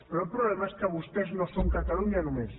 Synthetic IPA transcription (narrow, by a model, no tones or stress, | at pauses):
peɾopɾoβlemaeskaβust̪eznõsoŋkat̪aluɲanomes